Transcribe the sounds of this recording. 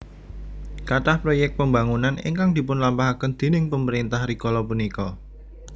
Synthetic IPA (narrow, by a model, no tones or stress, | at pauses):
kaʈahpɾojɛk̚t̚pəmbaŋunanɪ̰ŋkaŋd̪̥i̤pʊnlampaɦakənd̪̥e̤nɪŋpəməɾint̪ahɾikɔlɔpunikɔ